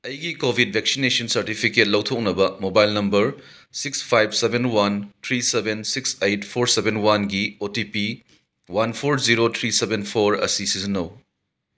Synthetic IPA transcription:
ɐjɡikobʱid̚bʱeksinesɐnsɐɾtipʰiket̚lɐwtʰok̚nɐbɐmobajlnɐmbɐɾ | sikspʰajb̚sebʱenwantʰɾisebensiksejt̚pʰoɾsebenwanɡiotipi | wanpʰoɾziɾot̪ʰɾisebenpʰoɾɐ̰sisizinɐw

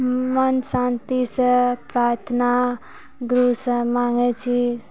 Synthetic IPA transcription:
mənsãnt̪isə̃pɾaɾt̪ʰna | ɡɾusə̃maŋɡɛt͡ʃʰi

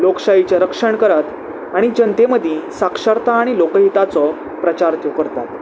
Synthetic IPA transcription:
lokɕait͡ɕaɾəkʂəɳkəɾat̪ | aɽ̃id͡ʑənt̪eməd̪ʱĩsakʂəɾt̪aːɽ̃ilokəɦit̪at͡sɔ | pɾət͡ɕaɾt̪jokəɾt̪at̪

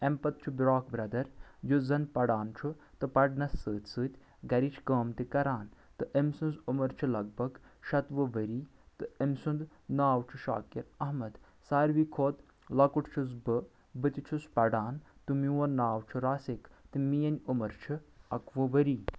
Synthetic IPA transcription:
ɐmpɐt̪̚t͡ʃʰubɾaːkbɾɐd̪ɐɾjuzɐnpɐɽaːnt͡ʃʰu | t̪ɨpɐɖnɐsːɨːt̪ʲsɨːt̪ʲ | ɡɐɾit͡ʃʰkəːmt̪ikɐɾaːnt̪ɨʔəmsunzumɐɾt͡ʃʰulɐɡ̚bɐɡʃɐt̪ʋɨʋɐɾiː | t̪ɨemsund̪ | naːwt͡ʃʰuʃa̰ːkiɾɐɦmɐd̪ | saːɾʋiːkʰoːt̪ | lɐkuʈt͡ʃʰuzbɨ | bɨt̪ʲit͡ʃʰuspɐɖaːnt̪umiwɐɾnaːwt͡ʃʰuɾaːsikt̪ɨmijɐnʲumɐɾt͡ʃʰuɐkʋɨʋɐɾiː

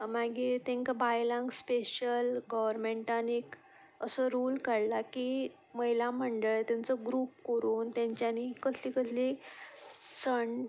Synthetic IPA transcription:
maɡit̪ẽŋkbajlãŋɡspeɕəlɡɔʋəɾmẽɳʈanek | əsəɾuːlkəɽlaki | məɦilaməɳɖəɭt̪jãnt͡səɡɾuːp̚koɾuːnt̪jãɲt͡ɕjanikəslikəsli | səɳɖ

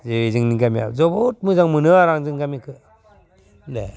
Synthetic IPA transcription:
zɯzɯŋniɡamija̰zɔbot̚mɯzaŋmɯnɯaɾaŋzɯŋɡamikʰɯ | le

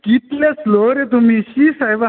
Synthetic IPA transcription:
kit̪lasloɾet̪̬umiːɕiːsajʋa

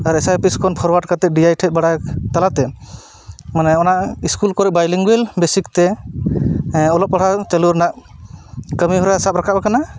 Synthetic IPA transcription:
aɾɛsajpiskʰɔnpʰɔɾwaʈkat̪ɛɖiajʈʰɛt̪̚baɽat̪alat̪ɛ | manɛɔnaʔiskulkɔɾɛbajliŋɡɛlbesik̚t̪ɛ | ɔlɔp̚ːɔɽat̪ɛluɾnaʔ | kəmiɦɔɾasap̚ɾakʰabakana

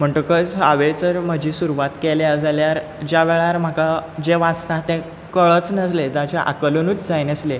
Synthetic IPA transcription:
m̤əɳʈ̪əkət͡saʋet͡səɾməd͡ʑʱĩːsuɾuʋat̪keleəd͡zaljaɾ | d͡ʑaʋeɭaɾm̤əkad͡ʑeʋãt͡st̪at̪ẽ | kəɭət͡snəs̬led͡zat͡ɕaʔa̰kələnuːt͡sd͡zajnəsle

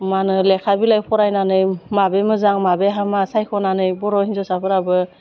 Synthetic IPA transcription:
manɯlɛkʰabilajpʰɔɾajnanɯjmabemɯzaŋmabeɦamasajkʰɔnanɯjbɔɾɔhinzɔsapʰɯɾabɯ

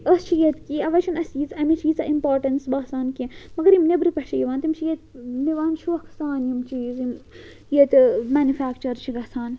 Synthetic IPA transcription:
ɐst͡ʃʰijet̪kiːɐʋɐt͡ʃʰunɐsizɐmit͡ʃʰiːzɐ̰ʔimpoːɾʈɐnsbaːsaːnkimɐɡɐɾimnebɾipɐʃʰɐjiʋaːnt̪imt͡ʃʰijet̪niʋaːnt͡ʃʰuɐkʰsaːnjimt͡ʃʰiːzim | jet̪mæːnufaːkt͡ʃɐɾt͡ʃʰiɡɐsaːn

